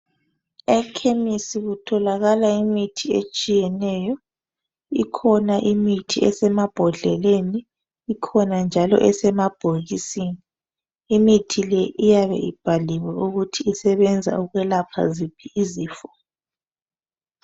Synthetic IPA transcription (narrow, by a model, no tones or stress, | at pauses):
ɛkʰemisiɣutʰɔlaɣalaimitʰiet͡ʃʼijɛnɛjɔ | ikʰɔnaʔimitʰiɛsɛmab̥ʱɔɮɛleniː | kʰɔnand͡ʒʱalɔ̰ʔɛsɛmab̥ʱoɣisini | imitʰilɛʔijaβɛ̰ʔib̥ʱaliwɛʔuɣutʰiːsɛβɛnd͡zʱa̰uɣwɛlapʰa̰zipʰiiziːfɔ̥